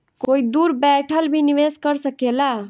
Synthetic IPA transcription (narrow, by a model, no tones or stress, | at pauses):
koid̪uːɾbɛʈʰəlbʱiniʋeskəɾsəkela